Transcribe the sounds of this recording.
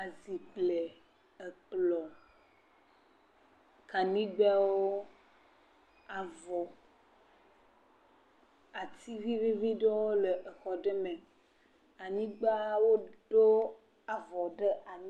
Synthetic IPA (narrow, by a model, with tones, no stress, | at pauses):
a˨zi˨k͡ple˨ | e˨k͡plɔ˨ | ka˨nĩ˦ɡ͡bɛ˦wo˦ | a˨vɔ˨ | a˨t̪i˦vi˦vi˦vi˦ɖe˦wo˦le˨ʔe˨xɔ˨ɖe˦me˨ | a˨ɲĩ˦ɡ͡ba˦wo˦ɖo˦ | a˨vɔ˨ɖə˦ʔa˨m̃˦